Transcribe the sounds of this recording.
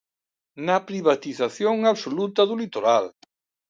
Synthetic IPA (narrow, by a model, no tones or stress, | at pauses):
napɾiβat̪iθaθjoŋaβsolut̪ɐðulit̪oɾal